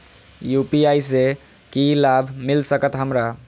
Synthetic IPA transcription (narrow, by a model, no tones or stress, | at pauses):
jupiajse | kilabʱmilsəkət̪ɦəmɾa